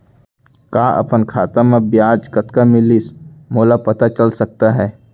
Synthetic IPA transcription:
kaːʔɐ̰pənkʰaːt̪amãbjaːd͡ʒkɐt̪kamɪlɪsmoːlapɐt̪at͡ʃɐlsɐk̚t̪aɦɛː

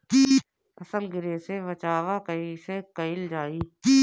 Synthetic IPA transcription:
kiː | ɐsəlɡɪɾeseʋət͡ʃaːʋakəisekɐɪld͡ʒaːiːkiː

